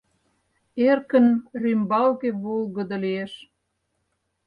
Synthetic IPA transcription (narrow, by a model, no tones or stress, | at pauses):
erkə̆nrymbɑlkeβolˠɣə̆d̪ə̆lieʃ